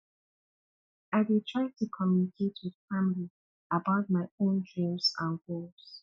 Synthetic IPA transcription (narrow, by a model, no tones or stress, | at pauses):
aɪdɪtʰɹ̥aɪtʰukʰɔmjunikʰetʰwɪð̥famli | əbaʊt̚maɪõnd͡ʒɹũmzə̰̃nɡolz̥